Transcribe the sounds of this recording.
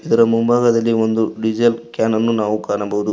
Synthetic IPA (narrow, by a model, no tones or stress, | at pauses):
id̪ɐɾɐmumbʱaːɡɐd̪ɐlːio̞nd̪uɖid͡ʒɐjlkjaːnɐnːunaːʋukaːɾɐɳɐbɐʋud̪u